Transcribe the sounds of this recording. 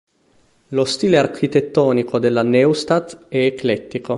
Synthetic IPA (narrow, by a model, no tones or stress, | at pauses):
lost̪iːlearkʰit̪et̪ːɔːnikod̪elːanɛwst̪at̪ɛːklɛt̪ːiko